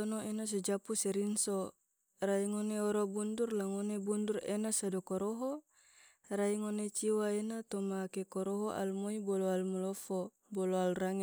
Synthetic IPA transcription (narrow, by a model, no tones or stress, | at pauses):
onoinos̬ed͡ʒapusɛɾinso | raiŋoneoɾobundurlaŋonebundurḛnasadokoɾoɦo | ɾaiŋonet͡ʃiwaenat̪omakekɔɾoɦoʔa̰lmoiboloalmulofo | bɔloalraŋe